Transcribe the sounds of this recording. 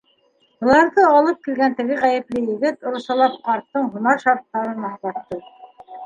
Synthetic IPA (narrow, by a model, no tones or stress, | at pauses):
ŏlˠɑɾðɤɑlˠɤp̚kilɡænt̪ɘ̆ɡɘʁæjɘ̆plɘjɘ̆ɡɘt̪ŏɾɤ̆sɑlˠɑp̚qɑɾt̪ːɤɴɦŭnɑɾʃɑɾt̪ːɑɾɤnɑɑt̪ːɤ